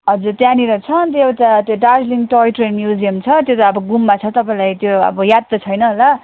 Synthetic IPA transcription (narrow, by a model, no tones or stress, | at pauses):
ɦʌd͡zuɾt̪janiɾʌt͡sʰʌnt̪eewʈat̪joɖad͡zliŋʈojʈrenmjud͡zijʌmt͡sʰʌt̪jot̪aʌbʌɡumːat͡sʰʌt̪ʌpaĩlajt̪joʌ̰bʌjad̪̚ːʌt͡sʰʌjnʌɦla